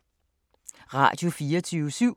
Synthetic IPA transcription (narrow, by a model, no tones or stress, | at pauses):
ʁɑ̰̈d̥jo̝fiːɐt͡sʰyːʋəsyʊ̰